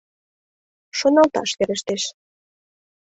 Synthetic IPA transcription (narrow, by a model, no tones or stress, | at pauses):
ʃonɑlt̪ɑ̰ʃkeɾə̆ʃt̪eʃ